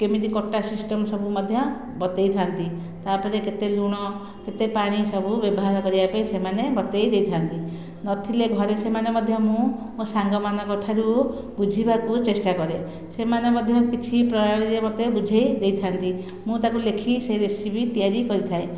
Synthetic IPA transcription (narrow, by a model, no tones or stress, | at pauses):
kemit̪ikɔʈːasisʈɔmsɔbʱumɔd̪ʱjɔ | bɔt̪ejt̪ʰant̪i | t̪apɔɾeket̪eluɽ̃ɔ | ket̪epaɽ̃isɔbʱubjɔbɔɦaɾɔkɔɾibapaẽsemanebɔt̪ejd̪ejt̪ʰant̪i | nɔt̪ʰileɡʱɔɾesemanemɔd̪ʱjɔmũmũsaŋɡɔmanɔkɔʈʰaɾu | bud͡ʒʱibakut͡ʃesʈakɔɾe | semanemɔd̪ʱjɔkit͡ʃʰipɾɔjaɽiɾemɔt̪ebud͡ʒʱejd̪ejt̪ʰant̪i | mũt̪akulekʰiseɾesibit̪ijaɾikɔɾit̪ʰae